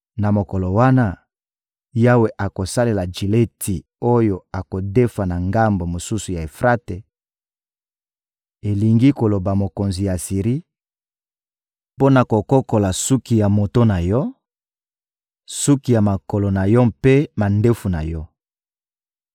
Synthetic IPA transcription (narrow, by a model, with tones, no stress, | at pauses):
na˨mo˨ko˨lo˨wa˦na˦ | ja˦we˨ʔa˨ko˨sa˦le˨la˨d͡ʒi˨le˦tʰi˨ | o˦jo˨a˨ko˨de˦fa˨na˨ŋɡa˦mbo˨mo˨su˦su˨ja˨e˨fʁa˦te˨ | e˨li˨ŋɡi˦ko˨lo˨ba˨mo˨ko˨nzi˨ja˨si˨ʁi˦ | po˦na˨ko˨ko˦ko˨la˨su˦ki˨ja˨mo˨to˦na˨jɔ˦ | su˦ki˨ja˨ma˨ko˨lo˨na˨jɔ˦pe˦ma˨nde˦fu˨na̰˨jɔ˦